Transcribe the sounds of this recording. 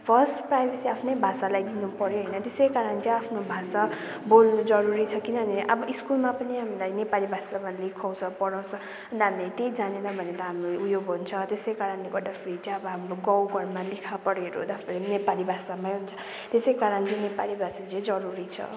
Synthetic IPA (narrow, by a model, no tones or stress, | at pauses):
pʰʌrsʈprajbʱesiapʰnʌjbʱasalajd̪inupʌɾjoɦʌjnʌt̪esʌjkaɾʌnt͡sʌ̃apʰnobʱasa | bolnud͡zʌɾuɾit͡sʰʌkinʌneʔʌ̰bʌʔiskulmapʌniɦamilajnepalibʱasamalekʰaw̃t͡sʰʌpʌɽaw̃t͡sʰʌ | ʌnt̪ɦamilajt̪ejd͡zanenʌbʱʌnet̪ʌɦamɾoujoɡɦunt͡sʰʌt̪esʌjkaɾʌnleɡʌd̪apʰrit͡sʌbʌɦamɾoɡʌwɡʱʌɾmalekʰapʌɾeɾo̰d̪apʰeɾenepalibʱasamaj̃ɦunt͡sʰʌ̥ | t̪esejkaɾʌnt͡sĩnepalibʱasat͡sĩd͡zʌɾuɾit͡sʰʌ̰